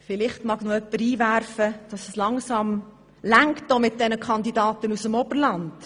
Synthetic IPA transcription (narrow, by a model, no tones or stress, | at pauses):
fɪlɪχtmɑɡnʊœpːəɾiːʋæɾfəd̥ɑsəslɑŋsɑm | læŋktːomɪt̚dɛnəkʰχɑndidɑːtənusəmɔb̥əɾlɑnd̥